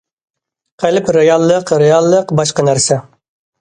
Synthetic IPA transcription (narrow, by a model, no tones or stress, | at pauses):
qʰælɪpɾejɑlˠːəqɾejɑlˠːəqbɑʃqɑnæɾsɛ